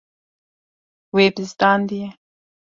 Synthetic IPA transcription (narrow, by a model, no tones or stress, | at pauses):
webɪzd̪ɑnd̪ije